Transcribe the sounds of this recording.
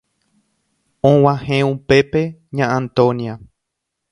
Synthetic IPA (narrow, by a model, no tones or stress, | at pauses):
õw̃ãhẽupe̞pe̞ɲããnt̪õnia